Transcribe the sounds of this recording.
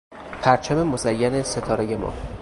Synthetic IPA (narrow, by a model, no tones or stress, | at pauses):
pʰæɾt͡ʃʰæme̞mozæjːæneset̪ʰɒːɾejemɒ̰ː